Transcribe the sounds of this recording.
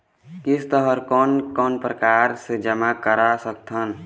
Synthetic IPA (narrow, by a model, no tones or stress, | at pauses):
kɪst̪əɦəɾkɔnkɔnpɾəkaɾsed͡ʒəmakəɾasək̚t̪ʰən